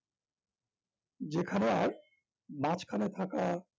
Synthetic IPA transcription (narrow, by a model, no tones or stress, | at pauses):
d͡ʑekʰaneaɾ | mãt͡ɕkʰanet̪ʰaka